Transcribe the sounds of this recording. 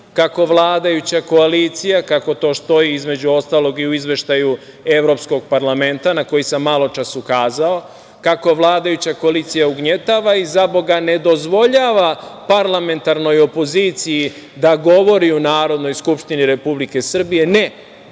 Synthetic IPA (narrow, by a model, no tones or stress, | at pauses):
kako̞ʋlˠaːd̪ajut͡ɕako̞aliːt̪sijakako̞t̪o̞ːst̪o̞jiizme̞d͡ʑuo̞st̪aːlo̞ɡiuizʋe̞ʃt̪aju | e̞vɾo̞psko̞ɡ̚paɾlˠame̞nt̪anako̞jisamːalˠo̞t͡ʃasukaːzao̞ | kako̞ʋlˠaːd̪ajut͡ɕako̞aliːt̪sijauɡɲet̪aːʋaizabo̞ɡane̞d̪o̞zʋo̞ʎaːʋapaɾlame̞nt̪aɾno̞jo̞po̞ziːt̪siji | d̪aɡo̞ʋo̞ɾiunaːɾo̞d̪no̞jskupʃt̪iniɾe̞publike̞sr̩bije̞ne